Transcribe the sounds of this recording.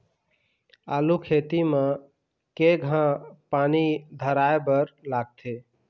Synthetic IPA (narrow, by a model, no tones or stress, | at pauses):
alukʰet̪ime | keɡʱãpanid̪ʱəɾaebəɾlaɡ̚t̪ʰe